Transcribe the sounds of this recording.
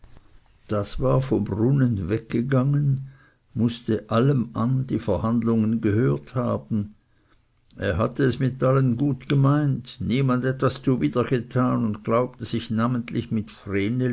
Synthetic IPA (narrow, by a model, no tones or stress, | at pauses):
d̥asvaːɐfɔmbʁʊnənvɛk̚ɡ̥əɡaŋən | mʊstəʔaləmʔandiːfɛɐhandlʊŋənɡəhøːɐthaːbn̩ | ʔeːɐɦatəɛsmɪtʔalənɡuːtɡ̥əmaɪntniːmandɛtvast͡suviːdɐɡ̥ətʰaːnʊntɡ̥laʊp̚təz̥ɪçnaːməntlɪçmɪtfʁeːnə